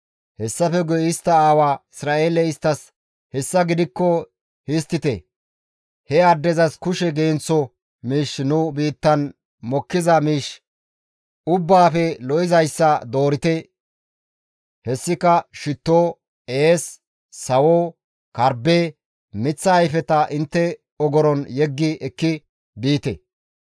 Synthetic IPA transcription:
hɛsːɐfɛɡɔjɪst̪ːɐaːwaːɪsɾaːeːlɛɪst̪ːɐs | hɛsːɐɡɪd̪ɪkːɔ | hɪst̪ːɪt̪ɛ̰ | hɛɐd̪ːɛzɐskʊʃɛɡeːnt͡sːɔ | miːʃnʊbiːt̪ːɐn | mɔkːɪzɐmiːʃ | ʊbːaːfɛlɔʔɪzɐjsːɐd̪o̞ːɾɪt̪ɛ | hɛsːɪkɐʃɪt̪ːoː | eːsː | ɐwoː | kɐɾbeː | mɪt͡sːɐːjfɛt̪ɐʔɪnt̪ːɛ | ɔɡɔɾɔnjɛɡːɪɛkːɪ | biːt̪ɛ̰

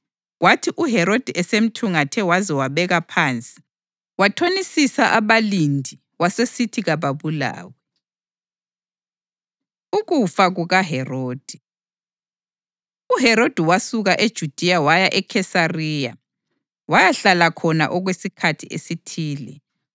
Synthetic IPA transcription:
ɣwatʰiʔuɦɛɾod̥ʱiʔɛsem̩tʰuŋatʰɛwazɛwaβɛɣapʰant͡sʼi̥ | watʰonisisaʔaβalindʱi | wasesitʰiɣaβaβula̰ːwɛ | uɣufaɣuɣaɦɛroːd̥ʱi | uɦɛɾod̥ʱiwasuɣaʔed̥ʒ̥ʱud̥ʱiawajaʔɛkʰɛsarija̰ | wajaɬalakʰɔna̰ʔɔɣwesikʰatʰiesitʰiːlɛ

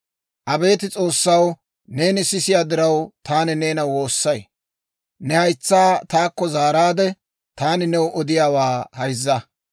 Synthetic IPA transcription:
ʔɐbe̞ːt̪ɪt͡sʼo̞ːsːɐw | ne̞ːnɪsɪsɪjaːd̪ɪɾɐwt̪aːnɪne̞ːnɐwo̞ːsːɐj | nɛhɐjt͡sːaːt̪aːkːɔzaːɾaːd̪ɛ | t̪aːnɪnɛwʔɔd̪ɪjaːwaːhɐjzːɐ

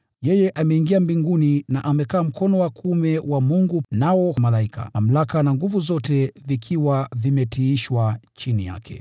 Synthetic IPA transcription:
jɛjɛʔamɛiŋɡiambiŋɡuninaʔamɛkaːm̩kʰɔnɔwakumɛwamuŋɡunawɔmalaikʰa̰mam̩lakanaŋɡuvuzɔtɛvikʰiwavimɛtiiʃwat͡ʃinija̰kʰɛ̰

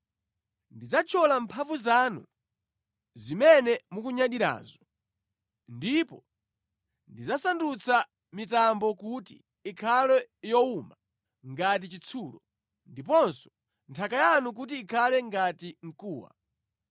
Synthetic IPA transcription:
ndid͡zat͡ʃʰɔlampʰaɱvuzaːnṵ | zimɛnɛmukuɲaɗiɾa̰ːzɔ | ndipɔ | ndid͡zasandut͡sʰa | mitambɔkutḭː | kʰalɛjɔuma | ŋɡat̬it͡ʃit͡sʰuːlɔ | ndipɔnsɔ̥ | ntʰakajanuk̬ut̬iːkʰalɛŋɡatiŋ̩kuːwa̰

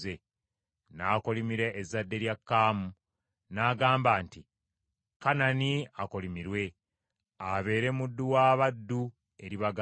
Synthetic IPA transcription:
e | naːkolimiɾeːzadːe̞ɾjakːaːmu | naːɡaːmbaːnti | kananiakolimiɾwe̞ | aβe̞ːɾe̞mudːuwaːβadːu | e̞ɾiβaɡ

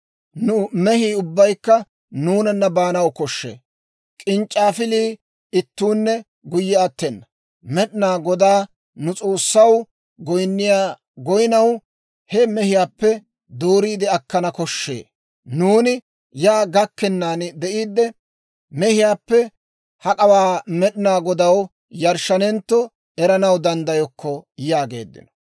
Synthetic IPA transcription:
nʊmɛhiːʊbːɐjkːɐ | nuːnɐnːɐbaːnɐwkɔʃːḛː | kʼɪnt͡ʃʼːaːfɪliː | ɪt̪ːuːnːɛ | ɡʊjːɛɐt̪ːɛnːɐ | mɛɗɪnaːɡɔd̪aː | nʊt͡sʼo̞ːsːɐw | ɡɔjnːɪjaː | ɡɔjnɐw | hɛmɛhɪjaːpːɛ | d̪oːɾiːd̪ɪɐkːɐnɐkɔʃːḛː | nuːnɪ | jaːɡɐkːɛnːaːnd̪ɛʔiːd̪ːɛ | mɛhɪjaːpːɛ | hɐkʼɐwaːmɛɗɪnaːɡɔd̪ɐw | jɐɾʃːɐnɛnt̪ːɔ | ɛɾɐnɐwd̪ɐnd̪ɐjɔkːɔjaːɡe̞̰ːd̪ːɪ̰nɔ̥

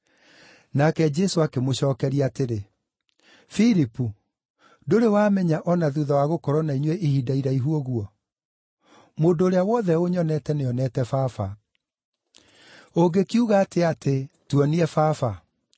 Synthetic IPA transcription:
nakɛd͡ʒɛsoakemoɕɔːkɛɾiateɾe | fiɾipu | doɾewaːmɛɲaʔɔnaðuðawaɣokɔɾɔnaiɲwɛʔihiːdaiɾaiɦuɔɣuɔ | moːndoːɾeawɔðɛoɲɔnɛtɛneɔnɛtɛfafa | oɡekiuɣaːteatʰetwɔniɛfafa

